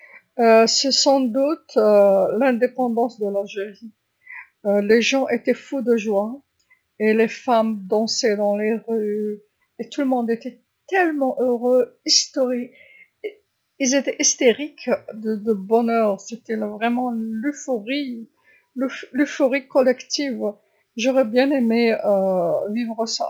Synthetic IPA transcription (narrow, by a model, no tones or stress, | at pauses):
øsɛsɑ̃d̪ut̪ølɛ̃d̪epɑ̃d̪ɑ̃sd̪əlalʒeʁi | øleʒɑ̃ʔet̪ɛfud̪əʒwa | elefamd̪ɑ̃sɛd̪ɑ̃leʁy | et̪uləmɔ̃d̪et̪ɛ | t̪ɛlmɑ̃ʔøʁøist̪ɔʁi | ilzet̪ɛʔist̪eʁikd̪əd̪əbɔnœʁset̪ɛlvʁɛmɑ̃lyfoʁi | lylyfɔʁikːɔlɛkt̪iv | ʒɔʁɛbjɛ̃nemeøvivʁəsa̰